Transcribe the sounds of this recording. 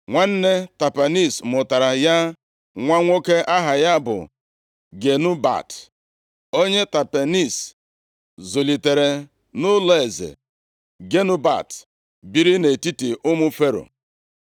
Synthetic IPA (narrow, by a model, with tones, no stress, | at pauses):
ŋʷa˦n̩˦ne˦ta˨pa˨ni˦˨smʊ˨ta˨ɾa˨ja˦ | ŋʷa˦ŋʷo˦ke˦ʔa˦ɦa˨ja˦bʊ̰˨ | ɡe˨nʊ˦ba̰˨t | o˦ɲe˦ta˨pe˨ni˦˨s | zo˨li˨te˨ɾe˨ | nʊ˦le˦˨zḛ˨ | ɡe˦nʊ˦ba̰˨t | bi˦ɾi˦ne˨ti˦ti˨ʔʊ˦mʊ˦fe˦ɾo̰˨